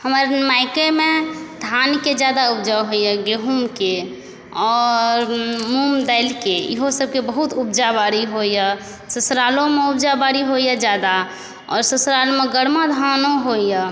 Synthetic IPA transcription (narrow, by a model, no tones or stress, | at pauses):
həmɾmaɪkemed̪ʱanked͡ʒjad̪aub̚d͡ʒaɦoijaɡeɦumke | ɔːɾmumd̪əɪlkeḭɦosəb̚kebəɦut̪ub̚d͡ʒabaɾiɦoja | səsɾalõmeubd͡ʒabaɾiɦoijad͡ʒjad̪a | ɔ̰ːɾsəsɾalomeɡəɽmad̪ʱanoɦoija